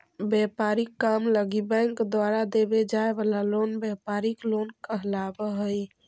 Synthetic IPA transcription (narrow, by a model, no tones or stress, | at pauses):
bjɛpaɾikːamləɡibə̃ŋkd̪waɾad̪ebed͡ʒaebalalonbjɛpaɾiklonkəɦlabəɦəj